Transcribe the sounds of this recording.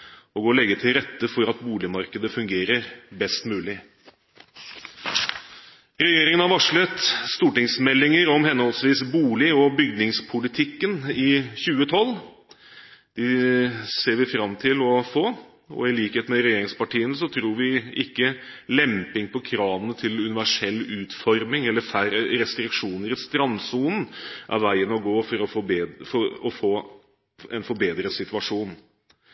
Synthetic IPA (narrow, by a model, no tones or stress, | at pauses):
ɔɡoːɾlɛɡːət̪ʰɪlɾɛt̪ːəfɔɾɑt̪buːlɪmɑɾkəd̪əfʉŋɡeːɾəɾbɛst̪mʉːlɪ | ɾɛjeːɾɪŋənhɑɾʋɑʂɭət̪st̪uːʈɪŋsmɛlːɪŋəɾɔmhɛnhɔlsʋiːsbuːlɪɔbʏɡnɪŋspʰʊlɪt̪ʰɪkːənɪçʉːət̪ʰɔlː | d̪̥ɪseːɾʋɪfɾɑmt̪ʰɪlɔfoː | ɔ̰ɪliːkheːt̪mɛɾɛjeːɾɪŋspɑʈiːənəsɔt̪ʰɾuːɾʋɪɪkːə | lɛmpɪŋpʰɔkʰɾɑːʋənət̪ʰɪlʉnɪʋæʂɛlːʉːt̪fɔɾmɪŋɛlːəfæɾəɾɛst̪ɾɪkʂuːnəɾɪst̪ɾɑnsuːnn̩ʔæ̰ɾʋæɪənɔɡoːfɔɾɔfbefɔɔfoː | ɛnfɔɾbeːd̪ɾəsɪt̪ʉɑʂuːn